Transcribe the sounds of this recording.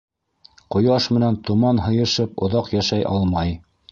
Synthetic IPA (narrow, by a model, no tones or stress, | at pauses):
qŏjɑʃmɘ̆nænt̪umɑnɦɤ̆jɤ̆ʃɤpŏ̰ðɑqjæʃæjʔɑ̰lˠmɑj